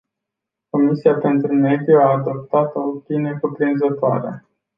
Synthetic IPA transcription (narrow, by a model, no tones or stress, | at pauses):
ko̞misiape̞nt̪ɾume̞d̪juaːd̪o̞p̚t̪at̪ot̪inekupɾinzət̪oa̰ɾa̰